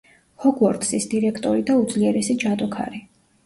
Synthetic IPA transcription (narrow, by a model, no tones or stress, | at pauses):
hɔɡuɔɾt̪ʼsisd̪iɾɛkʰt̪ʼɔɾid̪aud̪zliɛɾɛsid͡ʒat̪ʼɔkʰa̰ɾi